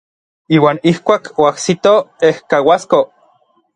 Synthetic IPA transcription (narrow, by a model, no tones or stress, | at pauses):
iːwaːnihkʷaːkʰoahsit̪oehkawasko